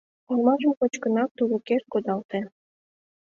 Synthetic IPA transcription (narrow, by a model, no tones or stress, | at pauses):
olˠmɑʒə̆mkot͡ɕkə̆nɑk̚t̪uɾuker̚kod̪ɑlˠt̪e